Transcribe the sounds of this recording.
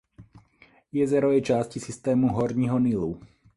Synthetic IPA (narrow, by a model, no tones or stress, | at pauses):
jɛzɛɾɔʋɛjt͡ʃascisist̪ɛːmuɦɔɾɲiɦɔnilu